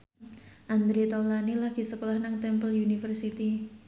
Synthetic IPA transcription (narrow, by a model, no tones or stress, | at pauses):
ʔand̪ɾet̪alanilaɡ̥i̤səkolahnaŋt̪ɛmpəlunifərsit̪i